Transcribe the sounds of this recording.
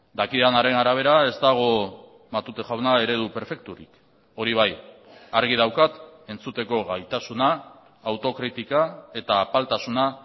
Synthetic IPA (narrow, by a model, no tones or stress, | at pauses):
d̪akianaɾe̞naɾaβ̞e̞ɾae̞zt̪aɣ̞o̞ | mat̪ut̪eʝawnae̞ɾe̞ðupe̞ɾfe̞k̚t̪uɾḭk | o̞ɾiβ̞ajaɾɣ̞ið̞awkat̪e̞nt͡sut̪e̞ko̞ɣajt̪asunaː | wt̪o̞kɾit̪ikae̞t̪aːpalt̪asuna